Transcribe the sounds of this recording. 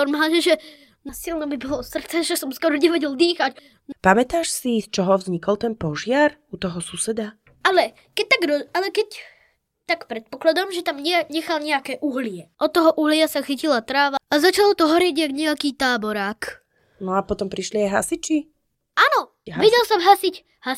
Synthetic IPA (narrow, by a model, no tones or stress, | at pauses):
ɔɾmaːlɲɛʒɛ | nasilnɛbibɔlɔsr̩t̪t͡sɛʒɛsɔmskɔɾɔɲɛʋɛɟɛld̪iːxac | npamɛt̪aːʃsist͡ʃɔɦɔvzɲikɔlˠt̪ɛnpɔʒɪaɾut̪ɔɦɔsusɛd̪a | alɛ | kɛc̚t̪aɡɾɔalɛkɛc | t̪akpɾɛt̪̚pɔklad̪ɔmʒɛt̪amɲɛɲɛxalɲɛakɛʔuɦlɪɛʔɔt̪ːɔɦɔʔuɦlɪasaxicilat̪ɾaːʋaazat͡ʃalɔt̪ɔɦɔɾiɛɟjaɡɲɛakiːt̪aːbɔɾaːk | nɔapɔt̪ɔmpɾiʃliajɦa̰sit͡ʃi | ʔaːnɔ | ʋɛɟɛlsɔmɦasic | ha